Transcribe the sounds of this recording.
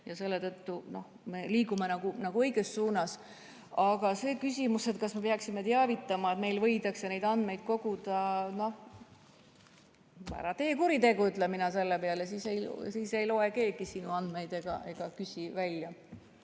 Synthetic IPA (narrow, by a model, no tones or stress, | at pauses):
jɑse̞lːet̪ɤt̪ːuno̞h | me̞liːkumenɑɡ̥unɑɡ̥uɤ̞jɡ̥e̞ssuːnɑs | ɑɡ̥ɑse̞ːkysʲimuse̞t̪̚kɑsme̞pɑksimet̪eɑvit̪ˑːɑmɑet̪me̞jlvɤ̞jd̪ɑksene̞jd̪ɑnd̪me̞jd̪̥ko̞ɡ̥ud̪ɑno̞h | pæ̰ɾɑt̪e̞ːkuɾid̪e̞ɡuyt̪ˑlemːinɑse̞lːepe̞ɑlesiːsejsiːse̞jlo̞e̞ke̞ːɡisinuɑnd̪me̞jd̪e̞ɡ̥ɑ̰ʔe̞ɡ̥ɑkysʲivælʲjɑ